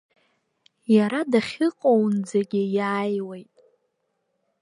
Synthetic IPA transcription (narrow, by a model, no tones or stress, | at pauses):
jaɾadaχʲɪqʼownd͡zaɡʲɪjaːjwejtʼ